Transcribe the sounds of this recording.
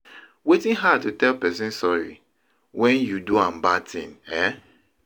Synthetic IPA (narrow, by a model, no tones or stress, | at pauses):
wetĩnɦad̚tutɛlpɛsĩnsɔɹḭ | wɛ̃njuduãmbatʰḭ̃nɛ